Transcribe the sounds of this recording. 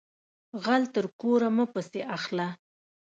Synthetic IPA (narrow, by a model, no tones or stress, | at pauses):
ɣalt̪əɾkoɾaməpəseʔaxla